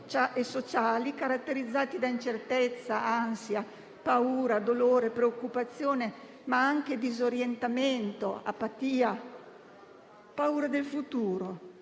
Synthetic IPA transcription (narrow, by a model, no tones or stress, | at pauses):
aesot͡ʃaːlikaɾat̪ːeɾid̪zːaːt̪id̪aint͡ʃert̪ɛt̪sːaansja | pauːɾad̪oloːɾepɾeokːupat̪sːjoːne | maaŋk̟ed̪izoɾjent̪ament̪oa̰pːat̪iːa | pauːɾad̪elfut̪uːɾo